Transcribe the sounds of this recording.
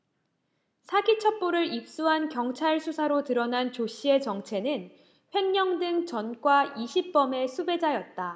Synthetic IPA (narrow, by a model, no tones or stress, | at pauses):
sʰaɡit͡ɕʰʌp͈oɾɯɾip̚s͈uɦankjʌŋt͡ɕʰaɭsʰusʰaɾotɯɾʌnant͡ɕoɕ͈ʰie̞t͡ɕʌŋt͡ɕʰe̞nɯn | ɸʰwe̞ŋɲʌŋdɯŋt͡ɕʌnkwaiɕʰip̚p͈ʌme̞sʰube̞d͡ʑajʌt̚t͈a